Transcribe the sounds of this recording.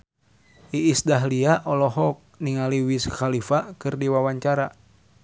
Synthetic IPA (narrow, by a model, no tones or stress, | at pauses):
ʔiːsdaɦliaʔɔlɔɦɔk̚niŋaliwisxalifakɨrdiwawaɲt͡ʃaɾa